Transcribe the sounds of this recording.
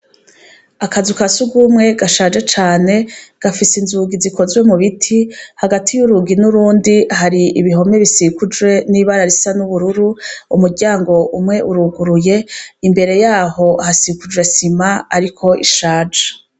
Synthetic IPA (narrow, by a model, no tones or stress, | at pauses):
akazukasuɡumŋe̞ɡaʃaːd͡ʒet͡ʃaːne̞ɡ̥afisinzuɡiziko̞zwe̞muβitʰihaɡatʰijuɾuɡinuɾuːndiɦaɾiʔiβiɦo̞meβisikud͡ʒɡwe̞niβaɾaɾisanuβuɾuɾuumuɾɟaːŋɡo̞ʔumŋe̞ʔuɾuɡuɾuje̞imbe̞ɾe̞jaːɦo̞hasikud͡ʒwe̞simaaɾikʰo̞iʃaːd͡ʒḁ